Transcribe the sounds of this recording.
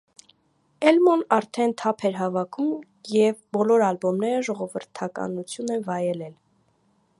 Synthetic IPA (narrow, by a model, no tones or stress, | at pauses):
ɛlmɔnɑɾt̪ʰɛnt̪ʰɑpʰɛɾɦɑvɑkʰum | jɛvbɔlɔɾɑlbɔmnɛɾəʒɔʁɔvəɾt̪ʰɑkɑ̰nut͡sʰjunɛnvɑjɛlɛl